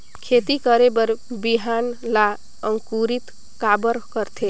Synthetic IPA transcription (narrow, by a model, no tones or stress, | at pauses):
kʰet̪ikəɾebəɾbiɦanla | əŋkuɾit̪ | kabəɾkəɾt̪ʰe